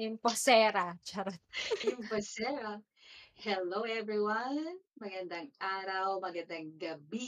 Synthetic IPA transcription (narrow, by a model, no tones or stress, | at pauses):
ʔɪmposɛːɾat͡ʃɐɾɐt̪ʔɪmpɐsɛɾa | hɛlowɛvɹiwɐnmɐɡɐnd̪ɐŋʔaːɾɐwmɐɡɐnd̪aŋɡɐbi